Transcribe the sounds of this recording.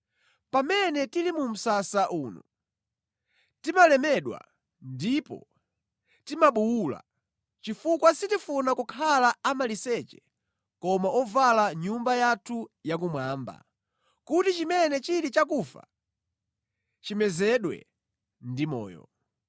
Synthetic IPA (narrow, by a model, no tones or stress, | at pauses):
pamɛnɛtilimum̩sasaʔuːnu | timalɛmɛɗwa̰ | ndipɔ̰ | timaɓuwula̰ | t͡ʃifukwasitifunakukʰalaamalisɛt͡ʃɛ̥ | kɔmaɔvalaɲumbajatʰujak̬umwaːmba̰ | kutit͡ʃimɛnɛt͡ʃilit͡ʃakufa̰ | t͡ʃimɛzɛɗwɛ̰ | ndimɔ̰ːjɔ̰